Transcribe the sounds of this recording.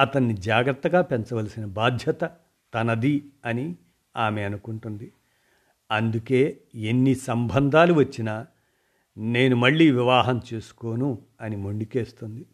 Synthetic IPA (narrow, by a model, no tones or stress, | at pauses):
ɐt̪ɐnːid͡ʒaːɡɾɐt̪ːɐɡaːpent͡ʃɐʋɐlɐsinɐbaːd̪ʱjɐt̪ɐ | t̪ɐnɐd̪iɐni | aːmeɐnukuɳʈund̪i | ɐnd̪uke̞ː | enːisɐmbʱɐnd̪ʱaːluʋɐt͡ʃːinaː | ne̞ːnumɐɭːiːʋiʋaːɦɐmt͡ʃeːsu̥ko̞ːnu | ɐnimoɳɖike̞ːst̪und̪i